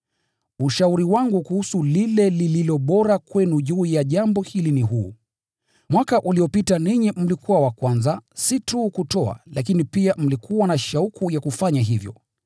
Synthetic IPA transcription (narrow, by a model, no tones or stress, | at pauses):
uʃauɾiwaŋɡukuhusulilɛlililɔɓɔɾakwɛnuʄuːjaʄambɔhiliniɦuː | mwakaʔuliɔpitaniɲim̩likuwawakwanzasituːkutɔa̰lakinipiam̩likʰuwanaʃaukujakufaɲaɦivjɔ̰